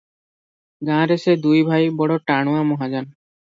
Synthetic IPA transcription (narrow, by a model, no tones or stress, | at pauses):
ɡãɾesed̪ujbʱajbɔɽɔʈaɽ̃uamɔɦad͡ʑan